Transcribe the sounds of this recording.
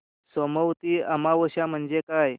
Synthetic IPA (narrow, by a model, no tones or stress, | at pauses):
sɔməwt̪iːamaʋəɕam̤əɳd͡zekaj